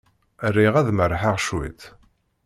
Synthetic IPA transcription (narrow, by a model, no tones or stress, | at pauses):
rːiʁæðməɾˤħaʁʃwḭθ